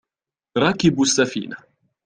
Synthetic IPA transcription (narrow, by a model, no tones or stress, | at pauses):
ɾˤɑːkɪbsːafḭːna